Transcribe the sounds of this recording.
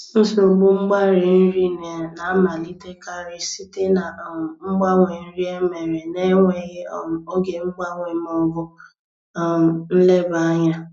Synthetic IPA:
n̩˦so˨ɡ͡bu˦ŋ͡m̩˦ɡ͡ba˦ɾe˨n̩˦ɾi˦ne˨na˨˦ma˨li˦te˦ka˦ɾe˦si˦te˦na˨ŋ͡m̩˦ɡ͡ba˦ŋʷe˨n̩˦ɾi˦e˦me˨ɾe˨ne˦ŋʷe˨je˦˨o˦ɡe˨ŋ͡m̩˦ɡ͡ba˦ŋʷe˨m˦ɔ˨˦ɡʊ˦˨ | n̩˦le˦ba˨˦ɲa˦

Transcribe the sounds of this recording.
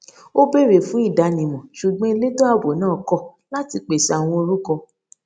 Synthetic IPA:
o˦be˦˨ɾe˨fũ˨˦i˦˨da˨˧nĩ˨mɔ̃˨ʃu˨ɡ͡bɔ̃˦e˧le˦to˦a˧bo˨˦nãː˦˨kɔ˦˨ | la˦ti˧k͡pe˨sa˨w̃ɔ̃˧o˧ɾu˦kɔ˧

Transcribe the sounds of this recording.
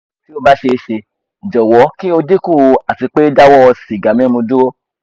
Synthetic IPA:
ti˦o˦ba˦ʃe˧ʃe˧˨ | d͡ʒɔ˨wɔ˨˦kĩ˦o˧de˦kũ˦˨˧a˨ti˨˧k͡pe˦da˦wɔ˦˧si˨ɡa˨mɛ̃˦mũ˧du˦o˦

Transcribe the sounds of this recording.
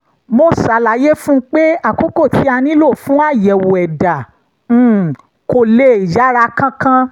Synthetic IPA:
mo˧sa˨la˨je˦fũ˦k͡pe˦a˦˨ko˦ko˦˨tʰi˨˦a˧nĩ˦lo˦˨fũ˦a˦˨jɛ˨wo˨ɛ˨dã˨˦˨ | ko˨le˧˦i˨d͡ʒa˨˦ɾa˧kã˧kã˧

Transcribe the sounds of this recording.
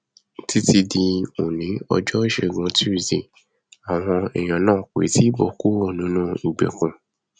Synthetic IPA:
ti˦ti˧dĩ˧o˨nĩ˨˦ɔ̰˧d͡ʒɔ˦ʃɛ˦˨ɡã˧ti˦˨zĩ˨ | a˨w̃ɔ̃˧ɛ˨j̃ã˨nãː˦˨kḛ˨˦ti˦bɔ˦˨ku˦wɔ˦˨nĩ˨˦nũ˦i˨ɡ͡bḛ˨kũ˨˧

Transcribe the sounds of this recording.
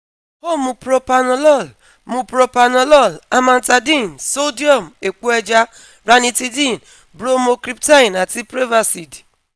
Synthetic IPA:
ho˦˨mu˨pɾo˦pa˨nɔ˦lɔ˦˨l | mu˨pɾo˨pa˨nɔ˨lɔ˦˨la˦ma˨n̩˨ta˨di˦˨nso˦di˦ɔ˦˨m˨e˨ku˦ɛ˦d͡ʒa˦ | ɾa˦ni˦ti˦di˦˨n˨ | bɾo˦mo˨kɾi˦pta˦˨na˨ti˦pɾe˦va˨si˨di̥˨

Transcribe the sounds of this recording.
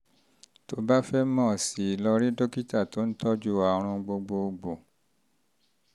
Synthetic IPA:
to˦ba˦fɛ˦mɔ̃˦˨si˨lɔ˧ɾĩ˦do˦ki˦ta˦˨to˦n̩˦tɔ˦d͡ʒu˦a˧˨˧ɾ̃ũ˧ɡ͡bo˧ɡ͡bo˧ɡ͡bo˨

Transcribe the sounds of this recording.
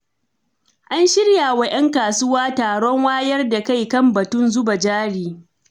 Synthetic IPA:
ʔa˦nʃɪ˦ɽja˨wa˦ʔɐ˦ŋkaː˨sʊ˦waː˦taː˨ɽɔ˦ŋwaː˦jɐ˦rda˨ka˦˨jkɐ˦˨mbɐ˨tʊ˦nzʊ˦ba˨d͡ʒaː˦ɽiː˨

